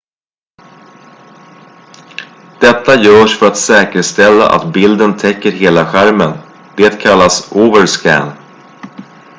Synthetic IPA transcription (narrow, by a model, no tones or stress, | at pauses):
d̪̥ɛt̪ːajœːʂfœɾat̪sɛːkəʂt̪ɛlːa̰ʔa̰t̪bɪld̪ənt̪ʰɛkːəɾɦeːlaɧæɾmən | d̪̥eːt̪kʰalːasoːvəɾskæ̰n